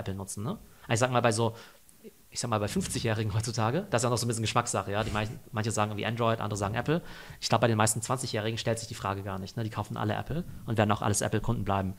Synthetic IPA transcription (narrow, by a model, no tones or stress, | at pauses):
ʔɛpl̩nʊt͡sn̩nəʔaɪçz̥aːɡəmaːlbaɪzoː | ʔɪçzaːɡəmaːlbaɪfʏnft͡sɪçjɛːʁɪɡŋ̩ɦɔʏtt͡sutʰaːɡəd̥asɪs̬jaʊnɔχzoːmbɪs̬çənɡəʃmaksz̥aχəjaːdiːmaɪçmançəzaːɡŋɪɡŋ̩viʔɛ̰ndʁɔɪtʔa̰ndəʁəzaːɡŋ̩ʔɛpl̩ʔɪçɡ̥laʊbəbaɪdenmaɪstn̩t͡sv̥ant͡sɪçjɛːʁ̞ɪɡŋ̩ʃtɛltz̥ɪçd̥iːfʁ̥aːɡəɡaːɐnɪçtnəd̥iːkʰaʊfn̩ʔa̰lə̰ʔɛ̰pl̩ʔʊntveːɐdn̩aʊʔa̰ləsʔɛ̰pl̩kʰʊndn̩blaɪbm̩